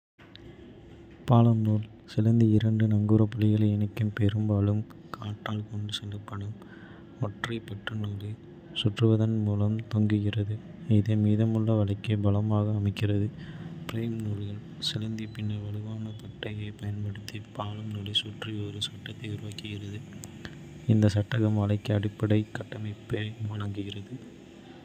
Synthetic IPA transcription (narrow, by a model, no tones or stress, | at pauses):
paːlɐmnuːl | sɪlɐnd̪iɪɾɐɳɖɯnɐŋɡuːɾɐpːɐlɪɣɐɭɐɛnɐkːɯmpɛɾɯmbaːlɯmkaːʈːaːlkɔɳɖɯsɛlːɐpːɐɳɯm | ɔʈrɐpɐʈrɯnuːlɯ | sʊʈrɯʋɐðɐnmuːlɐmt̪ɔŋɡɯɣɪrɐðɯɪðemiːðɐmɯɭːɐʋɐɭɐɪkːɐbɐlɐmaːɣɐːmɐɪkːɪrɐðɯpɾeːmnuːɾɣɐl | sɪlɐnd̪ipɪnːɐʋɐlɯʋaːnɐpɐʈːɐjeːpɐjɐnpɐɽɯt̪ːipaːlɯmnuːlisʊʈriɔɾɯsɐʈːɐt̪ːɐɪʊɾɯʋaːkːɯɣɪrɐðɯ | ɪnd̪ɐsɐʈːɐɣɐmʋɐlɐɪkːɯɐɽɪpːɐɽɐɪkːɐʈːɐmɐɪpːeːʋɐnɐŋɡɯɣɪrɐðɯ